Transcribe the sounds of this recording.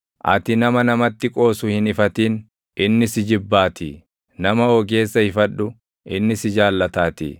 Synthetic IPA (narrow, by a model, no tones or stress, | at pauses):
ʔɐ̰t̪ɪnɐmɐnɐmɐt̪ːɪkʼo̞ːsʊhɪnɪfɐt̪iːn | ʔɪnːɪsɪd͡ʒɪbːaːt̪ɪ̰ | nɐmɐoːɡe̞ːsːɐhɪfɐᶑːʊ | ʔɪnːɪsɪd͡ʒaːlːɐt̪aːt̪ḭ